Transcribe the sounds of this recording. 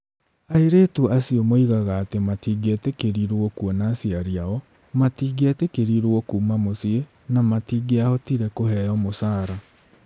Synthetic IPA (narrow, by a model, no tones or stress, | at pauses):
aiɾeːtuʔasiɔmoiɣaɣaːtematiːɡetekeɾiɾwɔkwɔnaːsiaɾiaɔ | matiːɡetekeɾiɾwɔkuːmamosie | namatiːɡeahɔtiɾɛkohɛɔmosaːɾa